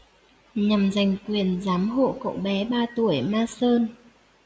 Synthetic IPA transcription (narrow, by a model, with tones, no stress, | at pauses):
ɲa˨˩mza˨˩jŋ̟kwi˨˩ənzaː˨˦mɦo̰˧˨kə̰˧˨wɓɛ˨˦ɓaː˧t̪u˧˩əjmaː˧səː˧n